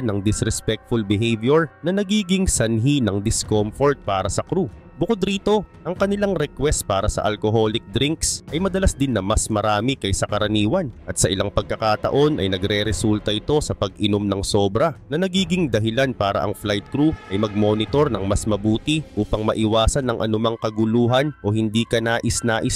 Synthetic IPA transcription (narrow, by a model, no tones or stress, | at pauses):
nɐŋd̪ɪsɾɛspɛk̚t̪fulbɪɦejvjoɹnɐnɐɡiːɡɪŋsɐnɦinɐŋd̪ɪskomfoɹt̪̚paːɾɐsɐkɾu | bʊkod̪ɾiːt̪o̞ʔɐŋkɐnɪlaŋɾɛkwɛst̪̚paːɾɐsɐ̰ʔɐlko̞ɦo̞ːlɪk̚d̪ɾiŋksʔɐjmɐd̪ɐlasd̪ɪnːɐmɐsmɐɾaːmɪkɐjsɐkɐɾɐniːwɐnʔɐt̪sɐʔɪlaŋpɐɡ̚kːɐkaːt̪ɐ̰ʔo̞nʔɐ̰jnɐɡɾɛɾɛsult̪ɐʔɪt̪o̞sɐpɐɡʔɪno̞mnɐŋso̞ːbɾɐnɐnɐɡiːɡɪŋd̪ɐɦɪlanpaːɾɐ̰ʔɐ̰ŋflajt̪̚kɾuʔɐjmɐɡ̚mo̞ːnɪt̪o̞ɾnɐŋmɐsmɐbuːt̪ɪʔuːpɐŋmɐʔɪwaːsɐnːɐŋʔɐ̰nʊmɐŋkɐɡʊluːɦɐnʔo̞hɪnd̪iːkɐnaːʔɪsnaːʔɪs